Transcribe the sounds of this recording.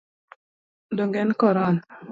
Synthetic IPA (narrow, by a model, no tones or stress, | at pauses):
doŋɡɛnkɔɾan